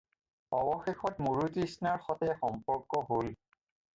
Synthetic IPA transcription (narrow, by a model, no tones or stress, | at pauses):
ɔbɔxexɔtmoɹutisnaɹxɔtɛxɔmpɔɹkɔɦol